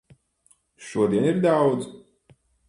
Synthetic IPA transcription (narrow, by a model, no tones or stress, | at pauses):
ʃuɔd̪iɛniɾd̪awd̪z̥